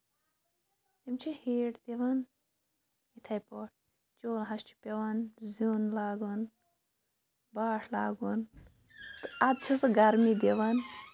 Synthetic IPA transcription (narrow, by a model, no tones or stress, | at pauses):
t̪imt͡ʃʰiheːʈt̪eʋɐn | it̪ʰɐjpoʈ | t͡ʃoːlɦɐst͡ʃʰi̥peʋɐnzuːnlaːɡun | baːʂʰlaːɡun | t̪ɨɐd̪̚t͡ʃʰusɨɡɐɾmid̪eʋɐn